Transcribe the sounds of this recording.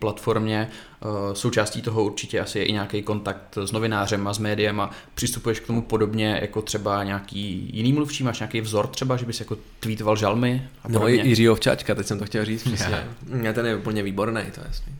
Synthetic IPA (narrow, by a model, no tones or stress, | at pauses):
plat̪fo̞ɾmɲɛ | so̞wt͡ʃaːsciːt̪o̞ɦo̞uɾt͡ʃɪcɛʔasɪjɛʔɪɲaːkɛjko̞nt̪ak̚t̪zno̞vɪnaːrɛmazmɛːdɪjɛmapr̥ɪst̪upujɛʃkt̪o̞mupo̞do̞bɲɛjʔa̰ko̞t̪r̥ɛbaɲaːkiːjɪniːmluft͡ʃiːmaːʃɲaːkejvzo̞ɾt̪r̥ɛbaʒɛbɪsjako̞ | t̪viːt̪ovalʒalmɪapoobɲɛɪrɪoft͡ʃa̰t͡ʃkat̪ɛcsɛmt̪oxcɛlriːt͡s̪prɛsɲɛ̰ɛt̪ɛnjɛupl̩ɲɛviːboɾnɛ̰jt̪o̰ja̰sɲɛ